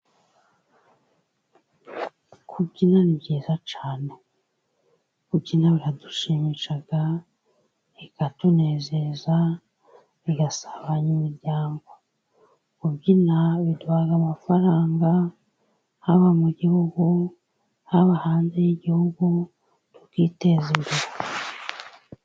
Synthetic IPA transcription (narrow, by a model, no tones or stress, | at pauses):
kʰubɟinanibɟeːzat͡ʃaːne | kuɟinaβiɾadu̥ʃimiʃaɡ̥a | ikatune̞ːzeza | βiɡasḁβaɲimiɾɟaːŋɡo | kubɟinaβidwaːɡamafaɾaːŋɡa | haβamuɟihuɡu | haβahaːnze̞jiɟihuɡu | tukite̞zinduɾa